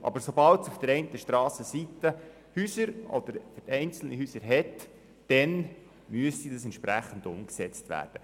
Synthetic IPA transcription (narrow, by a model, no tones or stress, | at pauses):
ʔɑ̰bəɾsobɑltsufd̥əɾɛɪntəʃtɾɑːsəsitə | hyːsəɾʔɔ̰d̪əɾfʏɾtɛɪnt͡sl̩nihyːsəɾɦɛt | d̥ɛn | myəstidɑsɛntt͡ʃʃpɾæχːən̩dʊmksɛt͡stʋæ̰ːɾd̥ə